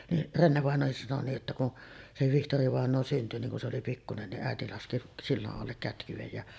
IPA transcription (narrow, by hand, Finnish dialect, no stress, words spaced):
niʔ renːeʋɑˑenˑoːhis sɑno niːʔ ʔetːæ kun se ʋihtoriʋɑˑenˑoː synty niŋ kun se oli pikːunen niʔ ʔæeti lɑski silːɑʔ ʔɑlːek kætkyʋej jɑ